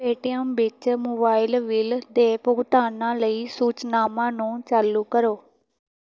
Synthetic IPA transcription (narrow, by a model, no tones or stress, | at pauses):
eːʈijə̃mʋɪt͡ʃmoːbaːɪlʋɪld̪eːpʊɡt̪aːnãːləiːsuːt͡ʃnaːmãːnũːt͡ʃaːlukəɾoː